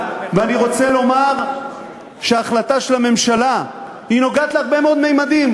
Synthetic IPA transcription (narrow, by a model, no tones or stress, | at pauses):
veaniʁo̞t͡se̞lo̞maʁ | ʃeaːχlat̪aʃelame̞mʃala | ino̞ɡaːt̪leaʁbe̞meo̞d̪mejmad̪im